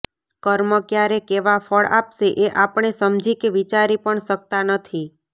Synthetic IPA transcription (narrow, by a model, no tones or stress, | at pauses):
kəɾməkjaɾekeʋafəɭʔa̰pʃeʔeʔapəɳ̃esəmd͡ʒikeʋit͡ʃaɾipəɳʃək̚t̪anət̪ʰi